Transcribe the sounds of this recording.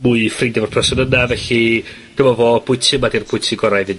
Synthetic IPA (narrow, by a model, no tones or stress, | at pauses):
muɨfrɪndɛvɔrpʰrɛsɔnənavɛɬi | ɡ̥əmɔvoːb̥ʊɨtʰɪmadirb̥ʰʊɨtʰɪɡɔɾajvɨ